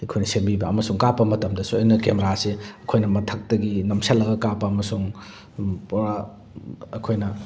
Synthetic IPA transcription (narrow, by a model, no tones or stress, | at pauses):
ekʰojnɐsembibɐɐmɐsuŋkapːɐmɐtɐmdɐsuɐjnɐkemeɾaseɐkʰojnɐmɐtʰɐk̚tɐɡinɐmsɐlːɐɡɐkapɐɐmɐsuŋ | pɾa | ɐkʰojnɐ